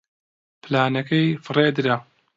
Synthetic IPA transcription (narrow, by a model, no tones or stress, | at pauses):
plaːnɐkɐjfɨreːd̪ɨɾa